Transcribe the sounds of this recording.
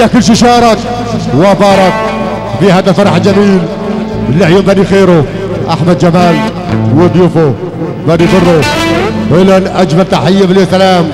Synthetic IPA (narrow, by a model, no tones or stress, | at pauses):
akʊlʃ̬iʃɑːɾˤɑk | wabɑːɾˤɑk̚ | fihaːd̪alfɑɾˤɑħɪld͡ʒamiːl | ɪlːɪʕjoːmbanixeːɾʊ | ʔa̰ħmad̪̚d͡ʒamaːl | wɪd̪ˤjʊfʊ | banibʊrˤːʊfɪlanʔad͡ʒmalt̪aħajːableːsalaːm